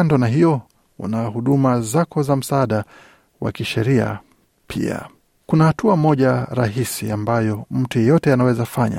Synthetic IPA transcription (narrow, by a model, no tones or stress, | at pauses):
ndɔnaɦijɔ | ṵnahuɗumazakɔzam̩saːɗa | wa̰kiʃɛɾia̰ | pʰḭa̰ | kunahatuamɔʄaɾaɦisiambajɔm̩tujɛjɔtɛanawɛzafaɲa̰